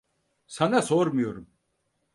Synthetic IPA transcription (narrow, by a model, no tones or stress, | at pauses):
sanasoɾmujo̞ɾum